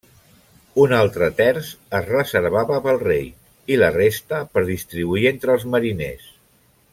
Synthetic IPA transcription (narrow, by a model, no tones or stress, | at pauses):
unalˠt̪ɾət̪ɛɾzəzrəzəɾβ̞aβəpəlˠrej | ilərest̪əpəɾðist̪ɾiβuient̪ɾəlˠzməɾinḛs